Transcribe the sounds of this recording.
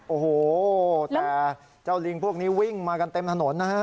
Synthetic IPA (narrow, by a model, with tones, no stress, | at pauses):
ʔoː˨˩hoː˨˩t̪ɛː˨˩ | t͡ɕa˥˩wli˧ŋpʰu˥˩ək̚niː˦˥wi˥˩ŋmaː˧ka˧nt̪e˧mt̪ʰa˧no˩˦nːa˦˥ha˦˥